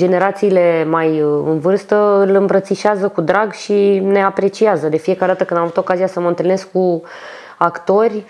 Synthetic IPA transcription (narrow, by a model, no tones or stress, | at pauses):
d͡ʒe̞ne̞ɾat̪siːle̞majɨ̰nvɨrst̪əɨlɨmbɾət̪siʃazəkud̪ɾaɡʃine̞apɾe̞t͡ʃiazəd̪e̞fije̞kaɾe̞d̪at̪əkɨnd̪amavut̪okaziasəməɨnt̪ɨlneskku | akt̪o̞rʲ